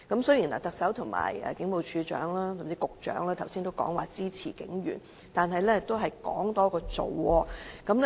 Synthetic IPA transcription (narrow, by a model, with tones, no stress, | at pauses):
kɐ˨˥msɵ˥ɥjiː˨˩nla̰˨˩t̪ɐ˨k̚sɐ˨˥wt̪ʰʊ˨˩ŋma̰ː˨˩jɛ̰˨kɪ˨˥ŋpo˨˧wt͡ʃʰyː˨˧t͡ʃœ̰ː˨˥ŋlaː˥sɐ˨mt͡siː˧˥kʊ˨k̚t͡ʃœ̰ː˨˥ŋlaː˥t̪ʰwsiː˥nt̪o˥wkɔ̰ː˨˥ŋwaː˨˩t͡siː˥t͡sʰiː˨˩kɪ˨˥ŋjyː˨˩n | t̪aː˨nɦɐ˨jlɛː˥˨kt̪o˥wɦɐ˨jkɔː˨˥ŋt̪ɔː˥kɔː˧t͡so̰˨wɔː˧kɐ˨˥ml